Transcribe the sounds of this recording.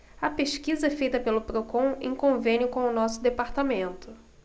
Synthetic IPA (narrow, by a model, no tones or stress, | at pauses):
ɐpeʃkizɐɛfejt̪ɐpelʊpɾokõw̃ḛ̃kõvẽnʲjʊkõw̃ʊnɔsʊd̪epaɾt̪amẽnt̪ʊ